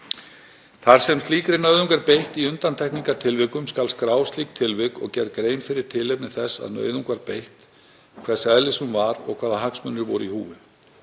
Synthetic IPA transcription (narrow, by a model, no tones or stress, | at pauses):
θaɾ̥sɛmst̪liːkɾɪnœːɥðuŋkaɾpejht̪iʏnt̪ant̪ʰɛhkniŋkaɾt̪ʰɪlvɪkʏmskalskɾaːwst̪liːk̚t̪ʰɪlvɪkɔ̰ɣcɛɾkɾeːjnfɪɾɪɾ̥t̪ʰɪlepnɪθɛsːa̰ðnœ̰ːɥðuŋkvaɾpejht̪ | kʰvɛ̥sɛðlɪsʏmvaɾɔ̰ɣkʰvaːðahaksmʏnːʏɾvɔ̰ɾʏ̰ihṵːvɪ